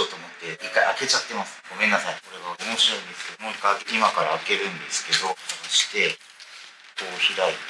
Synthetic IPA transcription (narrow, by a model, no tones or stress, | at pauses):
oːt̪oːmo̞t̪ːe̞ikːaiake̞t͡ɕat̪ːe̞masɨ̥ɡ̥o̞mẽ̞nːasaiso̞ɾe̞βaɡo̞mo̞ɕiɾo̞ĩnd̪e̞sɨ̥ke̞d̪omoikːaimakaɾaːke̞ɾɯ̟̃nd̪e̞sɨ̥ke̞d̪o̞oɕi̥t̪e̞ | oːçiɾait̪